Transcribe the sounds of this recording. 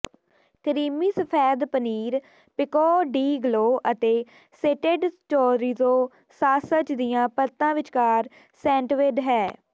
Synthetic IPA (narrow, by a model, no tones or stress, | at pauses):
kəɾiːmiːsəpʰɛːd̪pəniːɾ | pɪkɔːɖiːɡloːʔət̪eː | seːʈeɖsʈoːɾiːzoː | saːsət͡ʃd̪ijãːpət̪ːãːʋɪt͡ʃkaːɾ | sɛ̃ːɳʈʋeːɖɦɛː